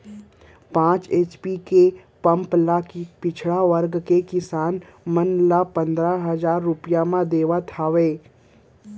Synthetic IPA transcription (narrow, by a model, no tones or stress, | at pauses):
pãːt͡ʃeːt͡ʃpike | pɐ̃mplakipɪt͡ʃʰɽaʋəɾɡkekɪsaːn | mənlapə̃nd̪ɾaɦəzaːɾːʊpijamãd̪eːʋat̪ʰaːʋeː